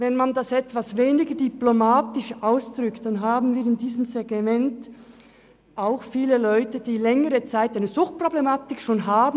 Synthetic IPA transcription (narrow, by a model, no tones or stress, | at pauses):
vɛnmandasɛtv̥asveːnɪɡədyplomaːtɪʃʔaʊsd̥ʁʏktd̥anɦaːbn̩viːɐɪndiːzəmzeɡ̥mɛnt | ʔaʊxfiːləlɔʏtəd̥iːlɛŋəʁət͡saɪtaɪnəzʊxt̚pʁ̥oblemaːtɪkʃoːnɦaːb